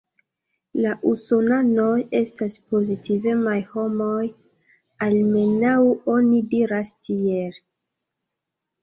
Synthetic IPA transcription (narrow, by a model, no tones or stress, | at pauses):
laʔusonano̞je̞staspo̞zitive̞majho̞mo̞j | alme̞nawo̞nidiɾastʰiel